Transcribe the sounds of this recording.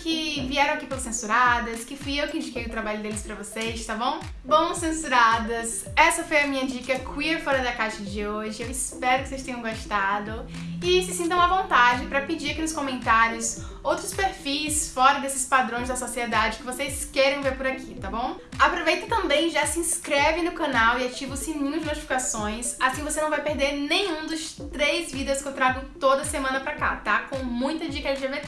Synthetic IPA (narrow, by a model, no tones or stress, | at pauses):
kɪviɛɾɐ̃w̃akipelɐsẽsuɾad̪ɐskɪfujewkɪĩd͡ʒikejʊt̪ɾabaʎʊd̪elɪspɾɐvosejst̪abõw̃ | bɐ̃w̃sẽsuɾad̪ɐs | ɛsɐfojɐmĩɲɐd͡ʒikɐkʰwieɾfɔɾɐd̪ɐkajʃɐd͡ʒɪoʒɪewɪspɛɾʊkɪsejst̪ẽɲɐ̃w̃ɡoʃt̪ad̪ʊ | ɪsɪsĩnt̪ɐ̃w̃ɐvõnt̪ad͡ʒɪpɾɐpid͡ʒiɾɐkinʊskõmẽnt̪aɾiʊs | owt̪ɾʊspeɾfisfɔɾɐd̪esɪ̥spad̪ɾõj̃zd̪ɐsosied̪ad͡ʒɪkɪvosejskɛɾẽj̃veɾpʊɾakʰit̪abõw̃ | apɾovejt̪ɐt̪ɐ̃mbẽj̃ʒasɪĩskɾɛvɪnʊkɐ̃nawiat͡ʃivʊsĩnĩʊzɪnot͡ʃi̥fi̥kasõj̃sasĩvosenɐ̃w̃vajpeɾd̪eɾnẽj̃ũd̪ʊst̪ɾejzvid̪ɐskɪewt̪ɾaɡʊt̪od̪ɐsemɐ̃nɐpɾaka̰t̪akõw̃mũj̃t̪ɐd͡ʒiɐkɛʒ̃ʒave